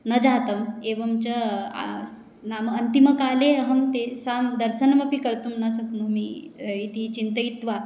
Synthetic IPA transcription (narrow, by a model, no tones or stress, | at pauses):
nɐd͡ʑaːt̪ɐmeʋɐmt͡ɕɐa̰ | namɐnt̪iməkaːleɦɐmt̪esamd̪ɐɾɕənmɐpikɐɾt̪umnɐsukmumi | it̪it͡ɕint̪əit̪ʋa